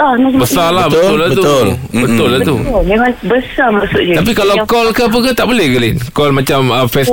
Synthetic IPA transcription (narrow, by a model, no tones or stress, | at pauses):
ɔnabəssalahbəʊlabət̪uolbət̪ʊlːat̪ulakabəsamasʊʔ̚d͡ʒəap̬ikalawkɔlkəp̬əkət̪aʔbolɛhɡəlinkɔlmãt͡ʃaməfɛs